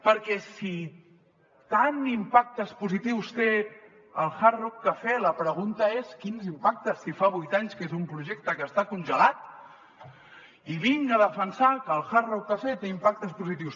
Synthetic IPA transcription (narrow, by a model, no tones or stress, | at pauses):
pəɾkɛsi | t̪animpak̚t̪əspuzit̪iwst̪e | əlˠxarɔkːəfeləpɾəɣ̞unt̪əeskinzimpak̚t̪əsːifaβujt̪aɲskezumpɾuʒek̚t̪əkəːst̪akunʲʒəlat̪ | iβiŋɡəðəfənsakəːlˠxarɔkːəfet̪eimpak̚t̪əspuzit̪̬iws